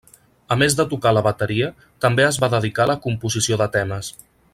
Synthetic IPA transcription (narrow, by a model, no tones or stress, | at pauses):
əmezðət̪ukaləβət̪əɾiə | t̪əmbeəzβaðəðikaləkumpuzisioðət̪ɛməs